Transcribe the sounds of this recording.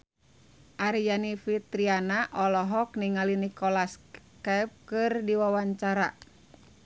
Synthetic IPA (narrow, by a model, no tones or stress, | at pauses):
ʔaɾijanifit̪ɾianaʔɔlɔɦɔk̚niŋalinikɔlas | kɛp̚kɨrdiwawaɲt͡ʃaɾa̰